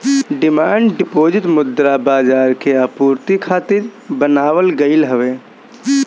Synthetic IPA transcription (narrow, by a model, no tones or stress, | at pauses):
ɖɪmaːɳɖɖɪpoːd͡ʒɪt̪mʊd̪ɾabaːd͡ʒaːɾkeapuːɾt̪ikʰaːt̪ɪɾbənaːʋəlɡəɪlɦəʋeː